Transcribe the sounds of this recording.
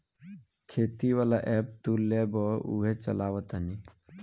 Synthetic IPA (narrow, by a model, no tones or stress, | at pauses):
kʰeːt̪iʋalaʔɛp̚t̪ulːebɔṵɦet͡ʃə̰laːwət̪ani